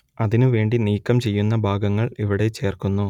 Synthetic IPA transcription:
ɐðinɨʋe̞ːɳɖiniːkːɐmt͡ɕe̞jːunːɐbʱaːɡɐŋːɐɭiʋiɽe̞t͡ɕe̞ːrkunːu

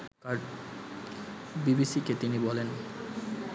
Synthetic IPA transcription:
kaɾ | bibisiket̪inibɔlen

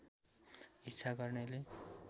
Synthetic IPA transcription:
it̪ːsʰaɡʌrnʌle

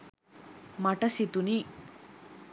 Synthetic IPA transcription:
maʈɐsit̪uni

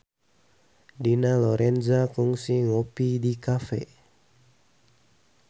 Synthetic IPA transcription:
dinalɔɾɛnzakuŋsiŋɔpidikafɛ̰

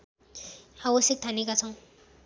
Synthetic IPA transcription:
hawʌsjek̚t̪ʰanekat͡sʰʌ̃w̃

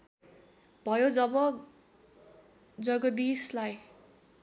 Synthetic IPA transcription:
b̥ʱʌjod͡zʌbʌ | d͡zʌɡʌd̪islaj

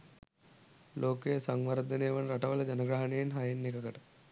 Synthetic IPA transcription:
loːkeːsɐŋʋɐɾd̪ʱɐneːʋɐnɾɐʈɐʋɐlɐd͡ʒɐnɐɡɾɐɦɐnejinɦɐjɐnːikɐkɐʈɐ

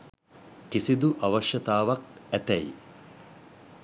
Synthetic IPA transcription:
kisid̪uʔɐʋɐʃjɐt̪aːʋɐk̚æt̪ɛj

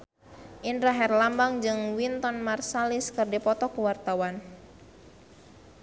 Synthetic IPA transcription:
ʔindɾaɦɛrlambaŋd͡ʒɨŋwint̪ɔnmarsaliskɨrdipɔt̪ɔkuwart̪awan

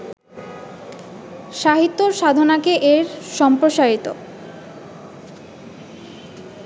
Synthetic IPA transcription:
ʃaɦit̪ːoɾʃad̪ʱonakeʔeɾʃɔmpɾoʃaɾit̪o

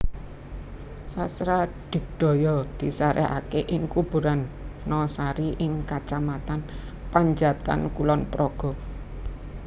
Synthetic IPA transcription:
sasɾaɖ̥ɪ̤k̚d̪̥ɔ̤jɔd̪̥i̤saɾʔɛɦa̰keʔɪŋkub̥ṳɾanːɔsaɾiʔɪŋkat͡ʃamat̪an | paɲd͡ʒat̪a̰nkulɔnpɾɔɡ̥ɔ̤

